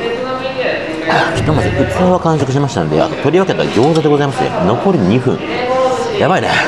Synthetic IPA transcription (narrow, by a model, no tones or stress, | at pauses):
kʲi̥t̪ːomazeɯ̟t͡sɨɾaβakãɰ̃ɕ̬o̞kɯ̟ɕ̬imaɕi̥t̪and̪ḛa̰not̪o̞ɾʲiβake̞t̪aɡʲo̞ːzad̪e̞ɡo̞zaimasɨḛno̞ko̞ɾʲɯ̟ɲ̟iɸɯ̟̰̃ŋ | jabaine